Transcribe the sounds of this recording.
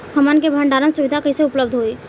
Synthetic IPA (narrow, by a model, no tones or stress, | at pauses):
kʰɐmənk̬ebʱəɳɖaːɾənsʊʋɪd̪ʱakəiseʊpləb̚d̪ʱɦoiː